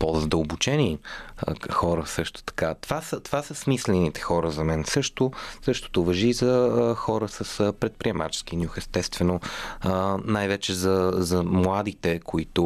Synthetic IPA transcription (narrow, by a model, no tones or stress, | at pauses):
pozəd̪əlˠbʊt͡ʃɛni | xɔɾəsɤʃt̪o̥t̪ɐ̥kat̪ovasət̪ovasəsmislɛnit̪ɛ̥xɔɾəzɐmɛnsɤʃt̪osɤʃt̪o̥t̪ʊvɐʒizɐxɔɾəsəspɾɛt̪̚pɾiɛma̰t͡ʃɛ̥sk̟injuxɛst̪ɛst̪vɛno | najvɛt͡ʃɛzɐzɐmlˠad̪it̪ɛkʰoit̪ʊ